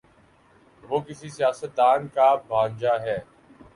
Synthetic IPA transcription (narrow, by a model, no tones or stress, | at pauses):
ʋoːkɪsiːsɪjaːsət̪̚d̪aːnkaːbʱaːɲd͡ʒaːɦɛː